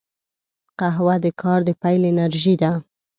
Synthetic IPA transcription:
qaɦwad̪əkʰɑɾd̪əpajlɪnaɾʒid̪a

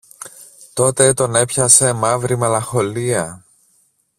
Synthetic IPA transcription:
t̪o̞t̪e̞t̪o̞ne̞pçɐse̞mɐvɾimelɐxo̞liɐ

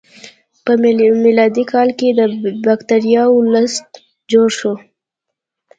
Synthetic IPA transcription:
pəmɪlɑd̪ikʰɑlked̪əbakt̪aɾijɑʊləst̪ | d͡ʒoɽʃo

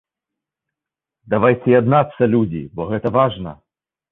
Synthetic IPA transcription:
d̪avajt͡sʲɛad̪nat̪sːɐlʲud͡zʲḭbɔɣɛt̪ɐvaʐnɐ̰

